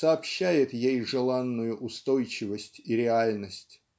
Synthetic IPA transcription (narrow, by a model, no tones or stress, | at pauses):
sɐːpɕːæjɪt̪jejʐɨlˠanːʊjʊʔʊst̪ojt͡ɕɪvəsʲtʲiɾʲɪalʲnəsʲtʲ